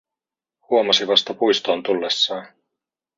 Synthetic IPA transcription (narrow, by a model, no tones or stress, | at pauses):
huomɑsiʋɑst̪ɑpujst̪o̞ːnt̪ulːesːɑːn